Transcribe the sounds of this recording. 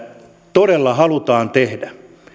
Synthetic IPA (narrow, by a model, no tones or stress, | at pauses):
t̪oɾelːɑhɑlut̪ɑːnt̪ehdæ